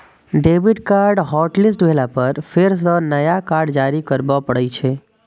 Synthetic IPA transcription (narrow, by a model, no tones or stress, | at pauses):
ɖebiʈkaɾɖɦɔʈlisʈʋʱelapəɾfʰeɾs̬ɔnəjakaɾɖd͡ʒaɾikəɾbopəɽɛt͡ʃʰe